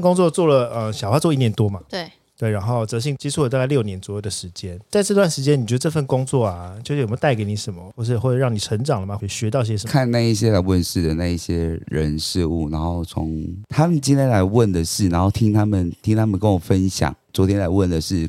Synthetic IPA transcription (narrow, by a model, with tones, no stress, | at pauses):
kʊ˥ŋt͡swɔ˥˧t͡swɔ˥˩lə˩ə˧˩ɕjɑ˨ʊxwa˥t͡swɔ˥˧i˥˩njɛ˧˦nt̪wɔ˥ma˨t̪we˥˩ | t̪we˥˩ɪɻa˧˥nxo˥˩ʊt͡sɤ˧˥˦ɕ̬i˥˧ŋt͡ɕi˥t͡sʰu˥˩˨t̪a˥˧ka˥˧ljo˥˩ʊnjɛ˧˦nt͡swɔ˧˦jo˥˩d̪ə˩ʂɻ̩˧˦t͡ɕjɛ˥nt͡sa˥˧ɪʈ͡ʂɤ˥˧t̪wa˥˩nʂɻ̩˧˥t͡ɕjɛ˥ni˨˩t͡ɕɥɛ˧˥d̪ə˧ʈ͡ʂfə˥˩nkʊ˥ŋt͡swɔ˥˩a˨˩t͡ɕo˥˧ʊ˨˩˨t̪a˥˩ɪke˧ɪni˧˥ʂə˧˦nmə˧xwʂ̬ɻ̩˥˧xwɻɑ˥˩ŋni˨˩ʈ͡ʂʰə˧˥nʈ͡ʂɑ˨˩ŋlə˦ma˨xwɕɥɛ˧˥t̪ɑ˥˧ʊi˥˩ɕjɛ˥ʂə˧˦kʰa˥˧nna˥˧i˥˩ɕjɛ˥˦la˧˥ɪwə˥˨nʂɻ̩˥˨˩d̪ə˨˩na˥˧i˥˩ɕjɛ˦ɻə˧˦nʂɻ̩˥˧u˥˩na˧˦nxo˥˩ʊt͡sʰo˧˦ŋt̪ʰa˥mə˨nt͡ɕi˥nt̪ʰjɛ˥nla˧˦ɪwə˥˨˩nd̪ə˩ʂɻ̩˥˩na˧˥nxo˥˩ʊt̪ʰi˦ŋt̪ʰa˦˥mə˨nt̪ʰi˥ŋt̪ʰa˦mə˨nkə˦nwɔ˨˩fə˦nɕjɑ̰˨˩ŋt͡swɔ˧˦t̪ʰjɛ˥nla˧˥ɪwə˥˨˩nd̪ə˩ʂɻ̩˥˩